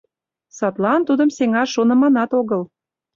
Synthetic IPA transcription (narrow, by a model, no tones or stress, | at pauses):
sɑt̪lɑnt̪ud̪ə̆mseŋɑʃonə̆mɑnɑt̪oɣəl